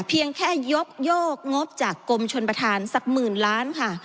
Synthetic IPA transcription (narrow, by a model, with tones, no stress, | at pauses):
pʰi˧əŋkʰɛː˥˩jo˦˥k̚joː˥˩k̚ŋo˦˥p̚t͡ɕaː˨˩kːo˧mt͡ɕʰo˧npɾa˧t̪ʰaː˧nsa˨˩k̚mɯː˨˩nlaː˦˥nkʰa˥˩